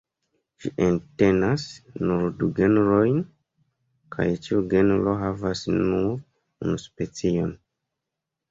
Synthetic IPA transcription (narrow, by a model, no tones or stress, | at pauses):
ʃiʔente̞nasnuɾduɡenɾojn | kʰa̰jt͡ʃiuɡe̞nɾoɦavasnuɾ | unuspe̞t͡sio̞n